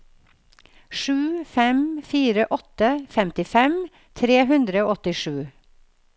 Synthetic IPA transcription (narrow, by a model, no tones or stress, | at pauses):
ʃʉːfɛmfiːɾəʔɔt̪əfɛmt̪ɪfɛm | t̪ʰɾeːɦʉnd̪ɾəoːɔt̪ɪʃʉː